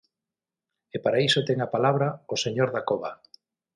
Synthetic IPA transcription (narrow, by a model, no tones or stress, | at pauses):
epaɾaisot̪eŋapalaβɾaoseɲoɾðakoβa